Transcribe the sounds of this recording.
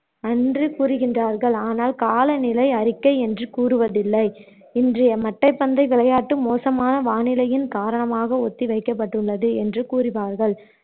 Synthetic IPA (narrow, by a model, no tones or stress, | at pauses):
ɐndrɯkuːrɯɣɪndraːɾɣɐɭaːnaːlkaːlɐnɪlɐɪɐɾɪkːɐɪɛndrɯkuːrɯʋɐðɪlːɐɪ | ɪndrɪjɐmɐʈːɐɪpːɐnd̪ɐɪʋɪɭɐjaːʈːɯmoːsɐmaːnɐʋaːnɪlɐjɪnkaːɾɐɳɐmaːɣɐɔt̪ːiʋɐɪkːɐp̬ːɐʈːɯɭːɐðɯɛndrɯkuːɾɪpaːɾɣɐɭ